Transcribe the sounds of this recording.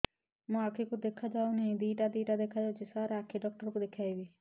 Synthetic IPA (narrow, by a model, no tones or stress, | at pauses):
mũakʰikud̪ekʰad͡ʒaːunɛɦĩd̪iːʈad̪iːʈad̪ekʰad͡ʒaːud͡ʒisaːɾeakʰiɖɔːk̚ʈəɾkud̪ekʰaːibi